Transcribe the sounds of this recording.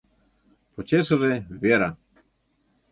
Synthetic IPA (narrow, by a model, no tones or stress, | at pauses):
pɔt͡ɕɛʂʐɛvʲjɛɾa